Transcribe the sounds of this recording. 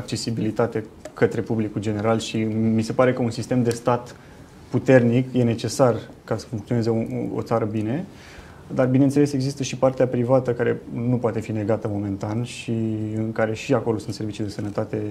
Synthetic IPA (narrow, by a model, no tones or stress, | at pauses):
ak̚t͡ʃe̞sibilit̪at̪ekət̪ɾe̞publikuld͡ʒe̞ne̞ɾalʃimise̞paɾekəunsist̪e̞md̪e̞st̪at̪ | put̪e̞rnikje̞ne̞t͡ʃe̞sar | kasə̥fuŋkt̪sioneze̞uo̰t̪saɾəbine̞ | d̪arbine̞nt̪selese̞ɡzist̪əʃipart̪eapɾivat̪əkaɾe̞nupoat̪e̞fine̞ɡat̪əmo̞me̞nt̪anʃiɨŋkaɾe̞ʃiako̞lo̞sunt̪se̞ɾvit͡ʃid̪esənət̪at̪e̞